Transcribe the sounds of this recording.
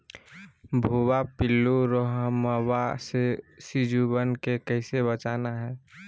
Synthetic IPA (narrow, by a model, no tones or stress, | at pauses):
bʱuːwapɪlːuɾoɦəməwasesid͡ʒubənkekəɪsebət͡ʃaːnaɦɛː